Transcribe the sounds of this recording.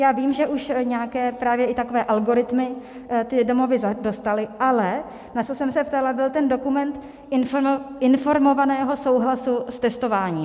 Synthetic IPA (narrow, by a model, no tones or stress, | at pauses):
jaːviːmʒɛʔuʃɲɛjakɛːpɾaːvjɛʔɪt̪ako̞vɛːʔalɡo̞ɾɪt̪mɪ | t̪ɪdo̞mo̞vɪzado̞st̪alɪʔalɛ | nat͡so̞sɛmsɛpt̪alabɪlt̪ɛndo̞kumɛnt̪ | ɪnfo̞ɾmo̞vanɛːɦo̞so̞wɦlasust̪ɛst̪o̞vaːɲiː